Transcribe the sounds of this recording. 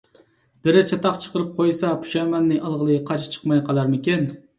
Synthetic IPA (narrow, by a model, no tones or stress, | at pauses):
b̥ɪɾɪt͡ʃʰɛt̪ɑχt͡ʃʰə̥qəɾɨp̚qʰojsɑpʰu̥ʃɛmɛnːɨʔɑlˠʁəlˠɨqʰɑt͡ʃʰt͡ʃʰə̥qmɑjqʰɑlˠɑɾmɪkʲɛn